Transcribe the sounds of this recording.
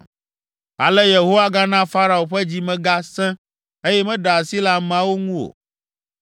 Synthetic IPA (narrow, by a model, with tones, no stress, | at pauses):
a̰˨lɛ˦je˨ɦo˦wa˦ɡa˦nã˦fa˦ɾa˨o˨ɸɛ˦d͡ʑi˦mɛ̃˦ɡa˦sɛ̃˦ | e˦jɛ˦mɛ̃˦ɖa˨a˨si˦la˦mã˦wo˦ŋũ˦o̰˨